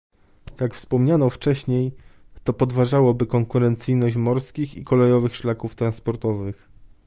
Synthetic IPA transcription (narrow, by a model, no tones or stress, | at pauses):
jakfspɔmɲanɔft͡ʂɛɕɲej | t̪ɔpɔd̪vaʐawɔbɘkɔŋkuɾɛnt̪sɘjnɔɕmɔɾskʲixḭkɔlɛjɔvɘxʂlakuft̪ɾanspɔɾt̪ɔvɘx